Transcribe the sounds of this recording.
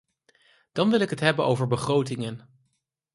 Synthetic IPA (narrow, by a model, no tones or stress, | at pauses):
d̥ɑnʋɪlˠɪkɦətɦɛbəno̰wvəɹbəχrowtɪŋən